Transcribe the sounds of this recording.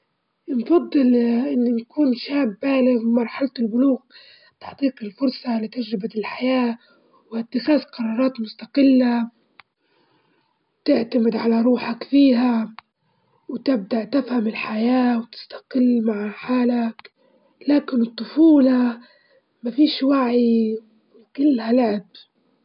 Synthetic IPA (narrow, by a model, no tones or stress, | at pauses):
nfɑd̪ˤːɨlʔɪnːinakuːnʃaːbːaːlɪɣmɑɾˤħalt̪ɪlbʊluːɣ | t̪ɪ̥ħt̪ˤiːqɪlfʊɾˤsˤɑlɪt̪ad͡ʒɾɪbaɪlħajaː | wat̪ːɪxaːzqɑɾˤɑːɾˤɑːt̪mʊst̪aqɪlːa | t̪ɪʕt̪amɪd̪ʕalaɾˤuːħakfiːɦa | wt̪ɪb̚d̪aʔt̪ɪfhamɪlħajaːwt̪ɪ̥st̪ḁqɪlːmaʕħaːlak | laːkɪnɨt̪ˤːʊfuːlɑ | mafiːʃwaʕi | kɪlːhalʊʕɪb̚